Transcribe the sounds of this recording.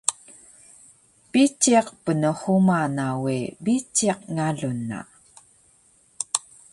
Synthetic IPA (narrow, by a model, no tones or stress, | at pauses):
pit͡ʃːiaqpənəχumanawibit͡ʃːiaqŋaɮunːa̰